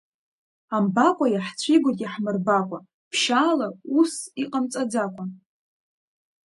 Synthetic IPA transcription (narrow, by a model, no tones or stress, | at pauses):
ambakʷʼajaħt͡sʷʰiɡʷatʼiħmɨrbakʷʼa | pʰʃaːlausiqʼamt͡sʼad͡zakʷʼa